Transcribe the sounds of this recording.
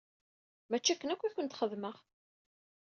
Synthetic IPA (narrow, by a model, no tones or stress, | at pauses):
mæt͡ʃːækːənækʷːiçənt̪χəðməʁ